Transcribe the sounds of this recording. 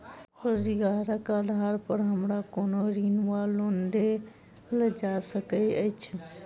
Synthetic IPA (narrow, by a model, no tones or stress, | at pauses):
oɾiɡaɾakaɖʱaɾpəɾɦəmɾakonoɾinwalonɖe | ləd͡ʒasəkəjəɪt͡ʃʰ